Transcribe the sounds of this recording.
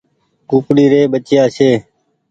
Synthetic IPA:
kuːpliːɾeːɓət͡ʃjaːseː

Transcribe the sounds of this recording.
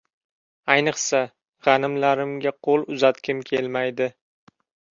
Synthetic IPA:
ajnɨχsa | ʁɑnɪmlaɾɪmɡʲaqʰolˠʊzat̪kʲɪmkʲʰelmajd̪ɪ

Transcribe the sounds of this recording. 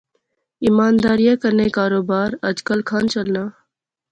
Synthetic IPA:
ɪmaːnd̪aːɾijaːkəɾneːkaːɾoːbaːɾəd͡ʒkəlkʰaːnt͡ʃəlnaː

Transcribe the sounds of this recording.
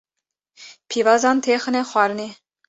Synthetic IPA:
pʰivɑzɑnt̪ʰeχə̆nɛχwɑɾni

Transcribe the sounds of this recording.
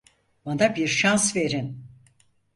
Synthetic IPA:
banabiɾʃansve̞ɾin

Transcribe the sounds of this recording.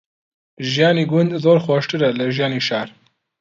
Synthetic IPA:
ʒijaːniːɡund̪zoːɾxwɔʃtɨɾɛlɨʒijaːniːʃaːɾ

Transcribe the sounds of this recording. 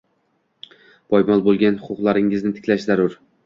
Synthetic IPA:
bʰɒjmɒlˠbolˠɡʲanhʊqʰʊqlˠaɾɪŋɪznɪt̪ʰɪ̥kʲlaʃzaɾʊɾ

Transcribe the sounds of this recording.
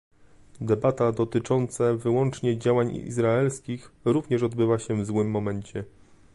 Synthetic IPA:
d̪ɛbat̪ad̪ɔt̪ɘt͡ʂɔnt̪savɘwɔnt͡ʂɲɛd͡ʑawaɲḭzɾaɛlskʲixɾuvɲɛʂɔd̪bɘvaɕɛvzwɘmːɔmɛɲt͡ɕɛ

